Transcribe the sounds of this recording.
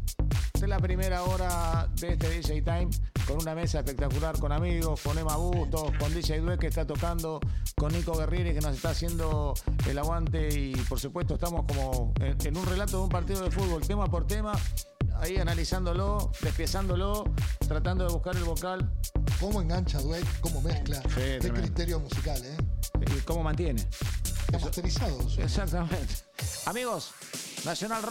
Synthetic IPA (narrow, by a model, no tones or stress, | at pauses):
t̪elapɾimeɾaoɾaðeeht̪eðiʒejt̪ajmko̞nuname̞saehpe̞k̚t̪akulaɾko̞namiɣo̞sko̞ne̞maɣust̪oko̞nd̪iʃejðwekeht̪at̪o̞kand̪o̞konːiko̞ɣerjeɾekenos̬e̞ht̪aːsje̞nd̪o̞ḛlaɣwant̪eipoɾsupwe̞t̪oeht̪amo̞sko̞moeenunrelat̪oðumpaɾt̪iðoð̞elfud̪βo̞lt̪e̞mapoɾt̪emaaianalisand̪o̞lod̪ehpjasand̪olot̪ɾat̪and̪oðeβuhkaɾelβokalkomoẽŋɡant͡ʃaðwekkomomehklaset̪d̪emekɾit̪eɾjomusikalekomo̞mãnt̪je̞nḛamat̪eɾisaðoḛksak̚t̪amẽnt̪e̥amiɣo̞s | nasjo̞nalr